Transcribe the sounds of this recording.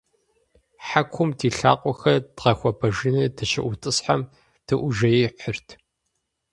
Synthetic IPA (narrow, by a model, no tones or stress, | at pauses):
ħakʷʰʊmtʰiːɬa̰ːqʷʼɔxɐd̥ʁɐxʷɔbʰɐʒɪnɨdʰɨʃɐ̰ʔʷʊtʼɨsħam | tʰɨʔʷʊʒɐjiħʷərtʰ